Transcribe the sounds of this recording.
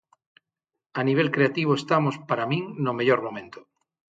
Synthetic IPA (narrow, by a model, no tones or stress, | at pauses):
aniβ̞elkɾeat̪iβ̞oest̪amospaɾamĩŋnomeʎoɾmomẽnt̪o̥